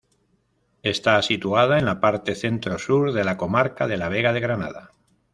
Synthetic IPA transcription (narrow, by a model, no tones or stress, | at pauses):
e̞st̪asit̪uað̞aenlapaɾt̪e̞θe̞nt̪ɾo̞suɾðe̞lako̞maɾkaðe̞laβe̞ɣað̞e̞ɣɾana̰ða